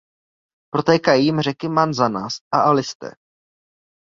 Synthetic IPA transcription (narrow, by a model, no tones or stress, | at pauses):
pɾot̪ɛːkajimr̝ɛkɪmanzanaːsʔaʔalɪst̪ɛ̰ː